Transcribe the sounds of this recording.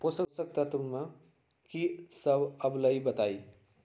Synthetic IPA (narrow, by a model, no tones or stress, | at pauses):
posəsək̚t̪at̪umːa | kisəbəbləjbət̪ai